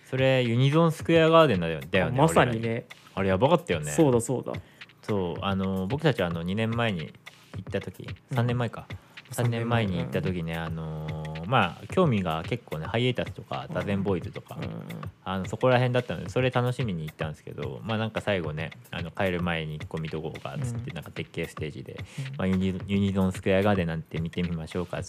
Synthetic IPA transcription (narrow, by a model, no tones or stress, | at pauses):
so̞ɾe̞jɯ̟ɲ̟izõ̞ɰ̃sɨ̥kɯ̟jaɡaːd̪end̪ajod̪ajo̞naoɾaɲineaɾejabakat̪ːajo̞ne̞soːd̪asoːd̪a̰so̞ːano̞bo̞kɯ̟t̪at͡ɕiβaːno̞ɲ̟inẽ̞mːae̞ɲ̟ḭː | t̪ːat̪o̞kʲḭsãnːẽ̞mːae̞kasãnẽmːaeɲ̟iit̪ːat̪o̞kʲine̞ano̞maːkʲo̞ːmʲiɡake̞kːo̞ːne̞haie̞t̪asɨ̥t̪o̞ka̰d̪azẽ̞mbo̞izɨt̪o̞̥ka̰ | ano̞so̞ko̞ɾaɦẽnd̪at̪ːanod̪eso̞ɾe̞t̪ano̞ɕimʲiɲ̟iːt̪ːãñsɨ̥ke̞̰d̪o̞̰maːnãŋkasaiɡo̞ne̞a̰no̞kaeɾɯ̟mae̞ɲ̟iko̞mʲid̪o̞ko̞oɡa̰t͡sɨ̥t̪ːenãŋkat̪e̞kːe̞ːsɨ̥t̪e̞ːʑḭd̪e̞̰majjɯ̟ɲ̟izõ̞ñsɨ̥kɯ̟ɾaɡad̪e̞nãnt̪e̞mʲit̪e̞mʲimaɕo̞ːka̰